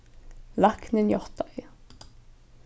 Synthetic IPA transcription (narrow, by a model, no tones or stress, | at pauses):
lɑknenjɔʁt̪ɑ